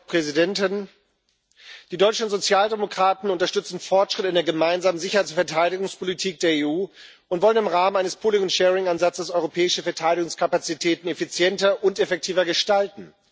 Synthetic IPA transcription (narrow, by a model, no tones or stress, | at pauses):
pʁ̥ɛzidɛntɪn | d̥iːdɔʏt͡ʃn̩zot͡sjaːldemokʁ̥aːtn̩ʊntɐʃtʏt͡sn̩fɔɐtʃʁ̥ɪtɪndeːɐɡəmaɪnzaːmənzɪçɐhaɪt͡ssfɛɐtʰaɪɾɪɡʊŋspʰolitʰiːk̚d̥eːɐeːuː | ʊntv̥ɔlənɪmʁaːmənʔaɪnəspʰoːlɪŋʊntʃɛːʁɪŋanzat͡səsɔʏʁopʰɛːɪʃəfɛɐtʰaɪɾɪɡʊŋskʰapat͡sitʰɛːtn̩efit͡sjɛntɐʔʊntefɛk̚tʰiːvɐɡəʃtaltn̩